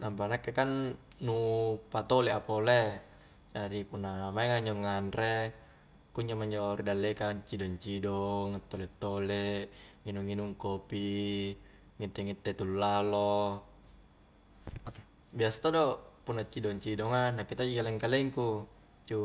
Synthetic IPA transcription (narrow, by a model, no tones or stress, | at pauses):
nampanakːekanːupat̪olɛapole | d͡ʒaɾipunːamaɛŋaɲd͡ʒɔŋːanɾe | kuɲd͡ʒamaɲd͡ʒɔridalːekaŋt͡ʃidɔɲt͡ʃidɔŋat̪ːolɛt̪ːolɛŋinuŋːinuŋkopi | ŋit̪ːɛŋit̪ːɛt̪ulːalɔ | biast̪odopunːat͡ʃidɔɲt͡ʃidɔŋanakːet̪od͡ʒikalɛŋkalɛŋku | t͡ʃu